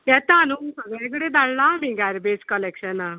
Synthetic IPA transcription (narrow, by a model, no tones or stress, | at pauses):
jɛt̪aːnusəɡɭãk̬əɽed̪aɭlamĩɡaɾbed͡zkəlekɕəna